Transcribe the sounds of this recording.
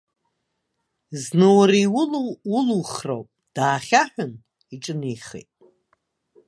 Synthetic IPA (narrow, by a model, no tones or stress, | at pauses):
znɨwriwʊluwʊluχro̰wpʼd̥aːχʲaħʷᶣʊn | iʈ͡ʂʼɨniχḛtʼ